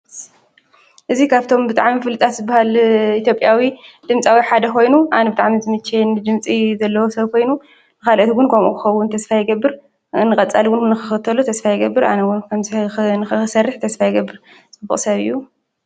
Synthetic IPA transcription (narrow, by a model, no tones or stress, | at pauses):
ʔɨzikʰaβt̪ʰo̞mbɨt̪ʼaʕmifɨlɨt̪ʰʼat̪zɨbːahalit̪ʰjo̞pʼjawid̪̥ɨmt͡sʼawiħad̪ɐkʰo̞jnuʔanɐbɨt̪ʼaʕmizɨmɨt͡ʃːenɨd͡ʒɨmt͡sʼizɐlːɐwosɐβkʰo̞jnu | nɨkalʔot̪ɡʊnkʰɐmʔṵkʰɨ̥xɐwːʊnt̪ʰɐsfajɪɡɐbːɨɾ | nːɨkʼɐt͡sʼaliwʊnnːɨxɨxɨt̪ʰːɐlut̪ʰɐsfajɪɡɐbːɨɾa̰nɐwʊnkʰɐmnɨxɨɨsɐrːɨħt̪ʰɐsfajɪɡɐbːɨɾ | t͡sʼɨbːṵχʼsɐβɨ̰jːu